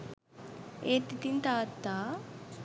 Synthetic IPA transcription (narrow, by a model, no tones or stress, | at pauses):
eːt̪ːit̪int̪aːt̪ːaː